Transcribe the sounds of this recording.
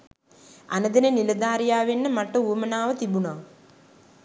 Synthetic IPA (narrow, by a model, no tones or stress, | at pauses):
a̰nəd̪enəniləd̪aːɾijaːʋenːəmaʈəuwəmənaːʋət̪ibunaː